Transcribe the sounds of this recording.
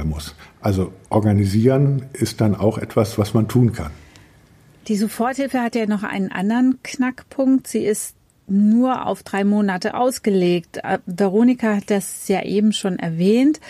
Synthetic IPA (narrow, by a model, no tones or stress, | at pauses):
mʊ̰sʔalzoʔɔɐɡaniziːʁənʔɪst̚d̥ana̰ʊxʔɛ̰tv̥asv̥asmantʰuːnkʰan | d̥iːzofɔɐthɪfəhatjaːnɔχʔa̰ɪnənʔa̰ndəʁənknakpʰʊŋktz̥iːɪst | nuːɐʔa̰ʊfd̥ʁaɪmoːnatə̰ʔa̰ʊsɡ̥əleːktvɛʁ̞oːnɪkahatd̥asjaːʔeːbm̩ʃoːnʔɛ̰ɐvɛːnt